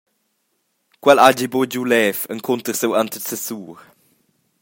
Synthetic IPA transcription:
kwɛlad͡ʒibod͡ʒulɛːfəŋkʰont̪əɾsəwant̪əsəsuːɾ

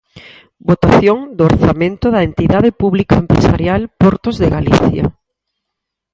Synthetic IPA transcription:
bot̪aθjoŋd̪ooɾθamẽnt̪ʊðaent̪iðaðepuβlikaempɾḛsa̰ɾjalpɔɾt̪ozðeɣalḭθja̰

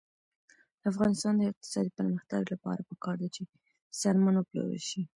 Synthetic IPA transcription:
d̪̥əafɣɑnɪst̪ɑnd̪əɪq̚t̪ɪ̥sɑd̪ipəɾməxt̪aɡlapɑ̰ɾapəkɑɾd̪at͡ʃe | sɑɾmanwəplə̰wə̰lʃi

